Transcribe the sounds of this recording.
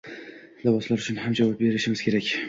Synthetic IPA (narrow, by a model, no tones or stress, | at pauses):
labɒslaɾʊt͡ʃʰʊnhamd͡ʒavap̚be̞ɾɪʃɪmɪz̥kʰʲe̞ɾakʲ